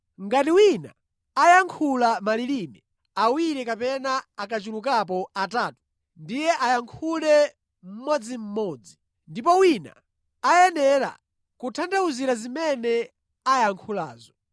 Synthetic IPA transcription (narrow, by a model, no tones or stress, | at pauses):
ŋɡatiwina̰ | ajaŋkʰulamalilimɛ | awiɾɛkapɛnaakat͡ʃuluk̬ap̬ɔataːtu̥ | ndijɛʔajaŋkʰulɛ | m̩mɔd͡zim̩mɔd͡zi | ndipɔwina̰ | ajɛnɛɾa̰ | kutʰandauziɾazimɛnɛ | ajaŋkʰula̰ːzɔ